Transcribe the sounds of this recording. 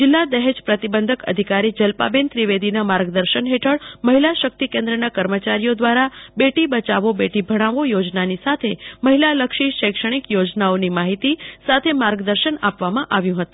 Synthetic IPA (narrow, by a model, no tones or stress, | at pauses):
d͡ʒɪlːad̪ɛɦed͡ʒpɾət̪ibənd̪ʱəkə̰d̪ʱikaɾid͡ʒəlpa̰bent̪ɾiʋed̪inamaɾɡd̪əɾʃənɦeʈʰəɭməɦilaʃək̚t̪ikẽnd̪ɾənakəɾmət͡ʃaɾijod̪ʋaɾabeʈibət͡ʃaʋobeʈibʱəɽ̃ãʋojod͡ʒnanisat̪ʰeməɦilaləkʃiʃəjkʂəɽ̃ikjod͡ʒnaonimaɦit̪isat̪ʰemaɾɡd̪əɾʃənapʋamãʔaʋjũɦət̪ũ